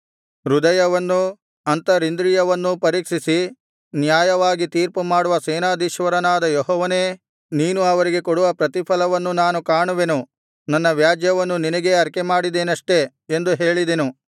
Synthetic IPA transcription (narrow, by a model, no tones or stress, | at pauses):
ɾud̪ɐjɐʋɐnːu | ɐnt̪ɐɾind̪ɾijɐʋɐnːupɐɾiːkʂisi | njaːjɐʋaːɡit̪iːɾpumaːɽuʋɐseːnaːd̪iʃʋɐɾɐnaːd̪ɐjɔɦɔːʋɐne̞ː | niːnuɐʋɐɾiɡe̞kɔɽuʋɐpɾɐt̪ipʰɐlɐʋɐnːunaːnukaːɳuʋe̞nu | nɐnːɐʋjaːd͡ʒjɐʋɐnːuninɐɡe̞ɐɾkemaːɽid̪eːnɐʂʈe̞ | end̪uɦeːɭid̪e̞nu